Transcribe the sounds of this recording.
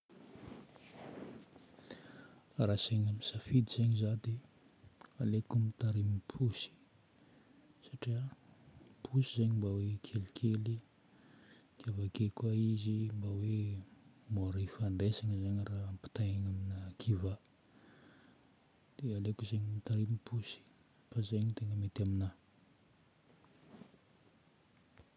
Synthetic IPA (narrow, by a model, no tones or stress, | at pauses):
rasaɲamisafid̪izeɲizad̪e | alekumit̪aɾimipʰusi̥ | saʈ͡ʂia | pʰusizeɲimbawekʰelikʰeli | kʰevakekaizimbawe | moɾifaɳɖ͡ʐesaŋəzaɲərampi̥t̪ajaŋaminəkʰiva | d̪̥ealekuzeɲimit̪aɾimipʰusi̥ | fazeɲit̪eŋəmet̪amina